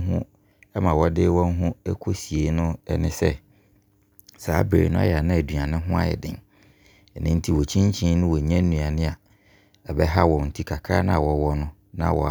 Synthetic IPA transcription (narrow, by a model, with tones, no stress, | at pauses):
ɦʊ̃˦ | ɛ˦mã˨wɔ˦dɪː˦wɔ̃˦n˦ɦʊ̃˦ɛ˦kʰo˦si˨e˨˦nʊ̃˦ɛ˦nɪ̃˦sɛ˦ | saː˨˦bɾḛ˨nʊ̃˦a̰˦jɛ˨a˨nʊ̃˦æ˨dɥã˨nɪ̃˦ɦʊ̃˦a̰˨ɛ̰˨dɪ̰̃˨ŋ | ɛ˨nɪ̃˦n̩˦tʰi˦wɔ˨t͡ɕʰĩ˦ɲ˦t͡ɕʰĩ˦nʊ̃˦wɔ˨ɲɛ̃˦n̩ː˦ũ˨a˨nɪ̃˦a˨ | ɛ˨bɛ˦ɦa˦wɔ̃˨mn̩˨tʰi˦kʰa˨kʰaː˦nã˦a˨wɔ˨wɔ˦nʊ̃˦ | nã̰˨wɔ̰˨